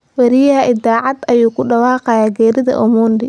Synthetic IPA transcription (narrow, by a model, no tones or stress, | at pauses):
wɐɾɪjɐɦɐʔɪdaːʕɑd̪ɐjuːkʰʊɖɑwɑːqɛjaːɡɛːɾɪðɐ̰ʔɔmuːndɪ